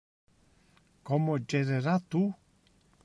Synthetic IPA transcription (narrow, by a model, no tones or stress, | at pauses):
kɔmod͡ʒeɾeɾat̪u